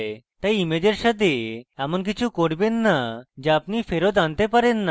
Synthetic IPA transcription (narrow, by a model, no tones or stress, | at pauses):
t̪aimed͡ʑəɾɕad̪eamənk̬it͡ɕʰũkoɽbenːad͡ʑeapnifeɾod̪ant̪epəɾẽnːa